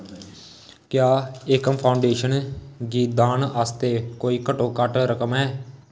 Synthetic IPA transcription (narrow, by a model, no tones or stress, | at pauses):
kjaːekəmpʰaːʊɳɖeːʃənɡiːt̪̚d̪aːnaːst̪eːkoːiːkəʈoːkəʈɾəkəmɛː